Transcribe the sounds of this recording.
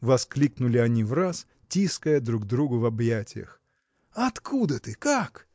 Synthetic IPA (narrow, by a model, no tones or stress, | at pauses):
vɐsklʲiknʊlʲɪɐnʲivras | tʲiskəjəd̪ɾuɡd̪ɾuɡʊvɐbjatʲɪjə̰x | ɐt̪kud̪ət̪ɨkak